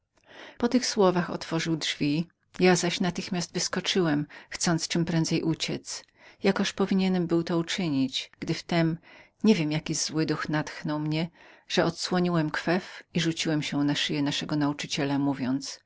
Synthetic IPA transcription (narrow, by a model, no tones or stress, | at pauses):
pɔt̪ɘxswɔvaxɔ̰t̪fɔʐɨwdʐvʲi | jazaɕnat̪ɘxmʲjasd̪vɘskɔt͡ʂɘwɛmxt̪sɔnt̪st͡ʂɘmpɾɛnd̪zɛjʔut͡ɕɛt̪s | jakɔʂpɔvʲiɲɛnɛmbɘwt̪ɔut͡ʂɘɲit͡ɕɡ̥d̪ɘft̪ɛm | ɲevʲjemjakʲizwɘd̪uxnat̪xnɔwmɲɛʐ̥ɛɔt̪swɔɲiwɛmkfɛfiʐut͡ɕiwɛmɕɛnaʂɘjɛnaʂɛɡɔnaut͡ʂɘt͡ɕɛlamuvʲjɔnt̪s